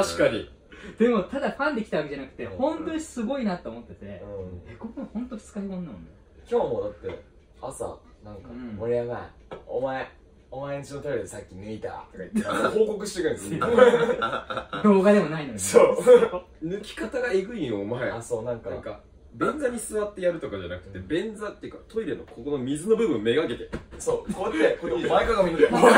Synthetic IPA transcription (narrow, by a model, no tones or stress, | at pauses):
t̪aɕi̥kaɲḭ | d̪̥e̞mo̞t̪ad̪aɸãnd̪e̞kʲit̪aβakeanakɯ̟̥t̪e̞hõ̞nt̪o̞ɲ̟isɨɡo̞inat̪ːoːmo̞t̪ːe̞t̪e̞ɯ̃eɡokohõnt̪oft͡sɨ̥kaikonːamonːe | kʲo̞ːmoːd̪at̪ːe̞̰ | asa̰ | nãŋkamoɾʲiaɡaḭ | o̰mae | omaeɲit͡ɕinot̪abed̪esakʲːineit̪a̰ | hoːko̞kɯ̟ɕi̥t̪ekaĩs | d̪oːɡad̪e̞monainod̪soː | nɯ̟kʲi̥kat̪aɡaeɡɯ̟iomaeaso̞ːnãŋkanãŋka | bẽ̞nd͡zaɲ̟isɨβat̪ːejaɾɯ̟t̪o̞kad͡ʑanakɯ̟̥t̪ːe̞bẽ̞nd͡zat̪ːejiɯ̟kat̪o̞iɾenokʰokono̞mʲizɨno̞bɯ̟bɯ̟̃mːe̞ɡake̞t̪eso̞ːkoet̪ːekoomaekaɡamo